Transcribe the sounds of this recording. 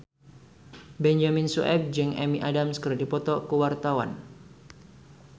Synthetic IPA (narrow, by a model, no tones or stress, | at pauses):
bɛnd͡ʒaminsuʔɛ̰p̚d͡ʒɨŋʔɛ̰miʔadamskərdipɔt̪ɔkəwart̪awa̰n